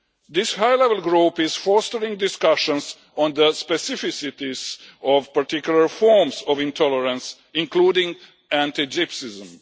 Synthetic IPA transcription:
d̪ɪshajlɛvəlˠɡɹuːpɪz̥fɔstəɹɪ̃ŋdɪskaʃə̃ns | ɔ̃nd̪əspɛsɪfɪsɪt̪izɔvpaɹtɪkjuləɹfɔɹmsɔvɪ̃ntʰɔləɹə̃ns | ɪ̃nkluːdɪ̃ŋ | æ̃ntid͡ʒɪpsɪzə̃m

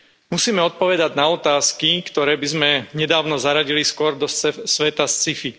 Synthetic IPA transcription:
musiːmɛɔt̪̚pɔʋɛd̪aɟnaɔt̪aːskikt̪ɔɾɛːbizmɛɲɛd̪aːʊnɔzaɾaɟiliskʊɔɾd̪ɔɛsʋɛt̪ast͡sifi

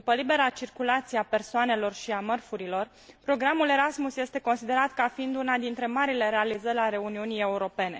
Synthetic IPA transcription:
upəlibe̞ɾat͡ʃirkulat̪sieape̞rsoane̞lo̞rʃiamərfuɾilo̞r | pɾo̞ɡɾamule̞ɾasmusje̞st̪e̞ko̞nsid̪e̞ɾat̪kafiind̪unad̪int̪ɾe̞maɾile̞ɾe̞alizəlʲaɾe̞uniunije̞uɾo̞pe̞ne̞

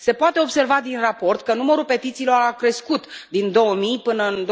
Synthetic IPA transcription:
se̞poat̪eo̞bse̞rvad̪inrapo̞rt̪kənuməɾupe̞t̪it̪siːlo̞ɾakɾe̞skut̪d̪ind̪o̞wəmijpɨnəɨnd̪

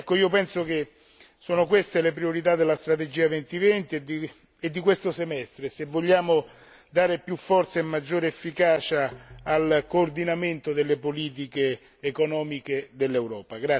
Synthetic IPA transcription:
ɛkːoiːopɛnsok̟e | soːnokwest̪elepɾioɾit̪̬ad̪ːelːast̪ɾat̪ed͡ʒiːavent̪ivɛnt̪id̪i | ed̪ːikwest̪osemɛst̪ɾesevːoʎːaːmo | d̪aːɾepjufːɔrt̪saemːad͡ʒːoːɾeefːikaːt͡ʃaːlkoːrd̪inament̪od̪elːepoliːt̪̬ikeː | konɔːmiked̪elːewɾɔːpaɡɾa

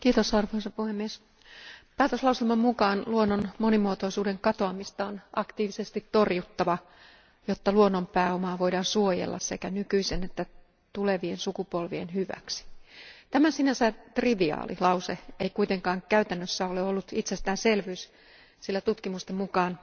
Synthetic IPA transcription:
kiːt̪osɑrʋohesɑpuhemːies | pæːt̪øslɑusilmɑmmukɑːnluonːonmonimuot̪oisuːdeŋkɑt̪oɑmist̪ɑonʔɑ̰kt̪iːʋisest̪it̪torjut̪ːɑʋɑ | jot̪ːɑluonːompæːomɑːʋoidɑːnsuojḛlːɑ̰ssekænykyisenet̪ːæ | t̪uleʋiensukupolʋienhyʋæ̰ksi̥t̪æmæsinæsæt̪riʋiɑ̰ːlʔḭlɑuseeikuit̪eŋkɑːŋkæyt̪ænːøsːæoleolːut̪it̪sest̪æːnselʋyys | silːæt̪ut̪kimust̪emukɑːn

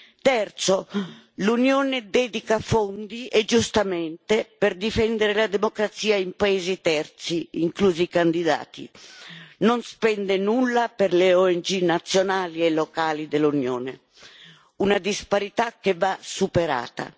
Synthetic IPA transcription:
t̪ɛrt̪so | lunjoːned̪ɛd̪ikafond̪iʔed͡ʒust̪amɛnt̪epeɾd̪ifɛnd̪eɾelad̪emokɾat̪siːaimpaeːzit̪ɛrt̪siiŋkluːzikand̪id̪a̰ːt̪ḭ | nonspɛnd̪enulːapeɾleoɛnd͡ʒinat̪sːjonaːliɛlːokaːlid̪elunjo̰ːne | unad̪ispaɾit̪akːevːasupeɾa̰ːt̪a̰

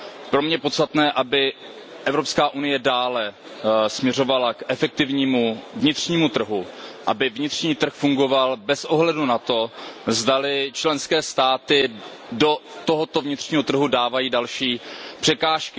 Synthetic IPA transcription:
pɾomɲɛpot̪st̪at̪nɛːʔabɪ | ʔɛvɾo̞pskaːʔunɪjɛdaːlɛ | smɲɛr̝o̞valakʔɛfɛk̚t̪ɪvɲiːmuvɲɪt̪r̝̥ɲiːmut̪r̩ɦuʔa̰bɪvɲɪt̪r̝̥ɲiːt̪r̩xfuŋɡo̞valbɛsʔoɦlɛdunat̪o̞zdalɪt͡ʃlɛnskɛːst̪aːt̪ɪ | do̞t̪oɦot̪o̞vɲɪt̪r̥ɲiːɦo̞t̪r̩ɦudaːvajiːdalʃiːpr̝̥ɛkaːʃkɪ

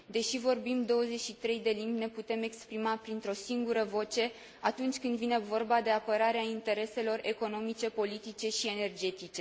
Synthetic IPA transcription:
d̪e̞ʃivo̞rbimd̪o̞wəze̞ʃit̪ɾe̞jd̪e̞limbʲne̞put̪e̞me̞kspɾimapɾint̪ɾo̞siŋɡuɾəvo̞t͡ʃe̞ | at̪unt͡ʃʲkɨnd̪vine̞vo̞rbad̪e̞apəɾaɾeaint̪e̞ɾe̞se̞lo̞re̞ko̞no̞mit͡ʃe̞po̞lit̪it͡ʃe̞ʃie̞ne̞rd͡ʒe̞t̪it͡ʃe̞

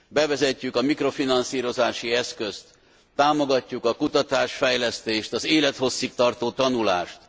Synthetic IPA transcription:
bɛvɛzɛcːykɒmikro̞finɒnsiːɾo̞zaːʃiɛskø̞st̪ː | aːmo̞ɡɒcːukɒkut̪ɒt̪aːʃfɛjlɛst̪eːʃt̪ɒzeːlɛt̪ho̞sːik̚t̪ɒrt̪oːt̪ɒnula̰ːʃt̪

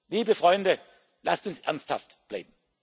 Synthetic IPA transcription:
liːbəfʁ̥ɔʏndə | lastʊnsʔɛɐnstha̰ftb̥la̰ɪb̚m̩

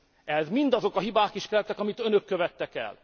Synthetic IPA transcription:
ɛzmind̪ɒzo̞kɒɦibaːkiʃkɛlt̪ːɛkɒmit̪ø̞nøkːø̞vɛt̪ːɛkɛ̰l

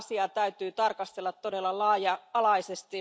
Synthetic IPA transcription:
siɑt̪æyt̪yːt̪ɑrkɑst̪elːɑt̪todelːɑlɑjɑɑlɑisest̪i

